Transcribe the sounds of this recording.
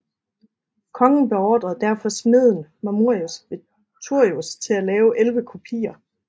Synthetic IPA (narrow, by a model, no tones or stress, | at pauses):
kʰɒ̽ŋn̩b̥e̝ɒːd̥ʁɐð̩ˠd̥æɐ̰fɒ̽sme̝ð̞̰ˠn̩mæmuɐ̰iosʋe̝ | t͡sʰuɐ̰iust͡sʰe̝lælɛːʊʔelʋəkʰopʰḭːɐ